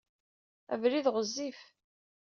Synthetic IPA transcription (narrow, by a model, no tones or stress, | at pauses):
æ̰vliðʁəzːif